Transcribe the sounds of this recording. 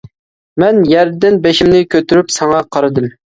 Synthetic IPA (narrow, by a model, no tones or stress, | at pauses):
mɛnjæɾd̪ɪnbeʃimnɪkʲʰøt̪yɾypsɑŋɑqʰɑɾɨd̪ɨm